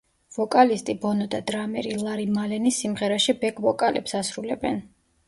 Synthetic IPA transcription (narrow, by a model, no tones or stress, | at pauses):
vɔkʼalist̪ʼibɔnɔd̪ad̪ɾamɛɾilˠaɾimalɛnisimʁɛɾaʃibɛkʼvɔkʼalɛ̰psasɾulɛbɛn